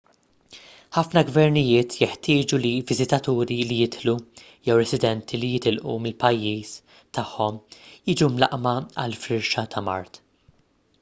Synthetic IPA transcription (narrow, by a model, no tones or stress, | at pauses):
ħɐfnɐɡvɛɾnɪjɪːt̪ʰjɛħt̪ɪːd͡ʒulivɪzɪt̪ɐt̪uːɾilijɪt̪lu | jɛwɾɛsɪd̪ɛnt̪ʰilijɪt̪ɪlʔṵmɪlpɐjːiːs | t̪ɐħːɔmjiːd͡ʒumlɐ̰ʔmɐɐlfɾɪɾʃɐt̪ʰɐmɐ̰ɾt̪